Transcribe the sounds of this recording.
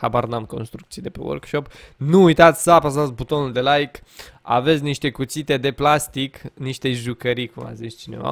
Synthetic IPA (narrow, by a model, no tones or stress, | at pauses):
habarnamko̞̰nst̪ɾukt̪ijed̪epewo̰rkʃo̞pnuːjt̪at̪sʲsəapasat̪sʲbut̪o̞nuld̪e̞lajka̰ve̞t̪sʲniʃt̪e̞kut̪sit̪e̞d̪e̞plast̪ikniʃt̪e̞ʒukəɾikuma̰zist͡ʃine̞̰va̰